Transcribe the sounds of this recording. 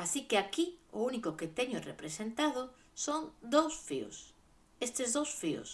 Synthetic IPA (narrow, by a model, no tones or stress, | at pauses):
asikeakiʊ̰unikʊket̪ɛɲʊrḛpɾesent̪að̞ʊ | soŋd̪owsfio̰s | est̪ɪzðowsfiʊ̰s